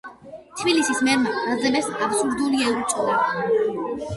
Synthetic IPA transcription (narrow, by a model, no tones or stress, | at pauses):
t̪ʰbilisismɛɾmaɾad̪zɛmɛsapsuɾd̪uliɛɾɔsʼɔla